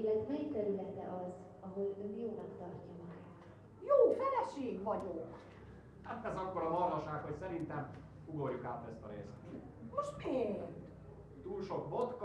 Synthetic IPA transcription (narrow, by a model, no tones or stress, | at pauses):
lɛt̪mɛjit̪ɛɾylɛt̪ɛ̰ʔɒz | ɒɦo̞løːjoːnɒkt̪ɒrcɒmɒɡaːt̪ | joːfɛlɛʃeːɡʋɒɟok | haːt̪ɛzɒkːo̞ɾɒɦɒrnɒʃaːkho̞csɛɾint̪ɛm | uɡorjukaːt̪ɛst̪ɒɾeːst̪ | moʃt̪peːnt̪ | t̪uːlʃo̞kbot̪k